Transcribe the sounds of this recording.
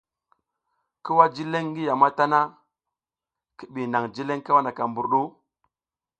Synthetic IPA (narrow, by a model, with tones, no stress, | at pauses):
ki˦wa˦d͡ʒi˦le˦ŋ˦ɡi˦ja˨ma˦ta˦na˦ | ki˦ɓi˨na˨ŋd͡ʒi˦le˦ŋka˦wa˦na˨ka˨mbu˨ɾɗu˦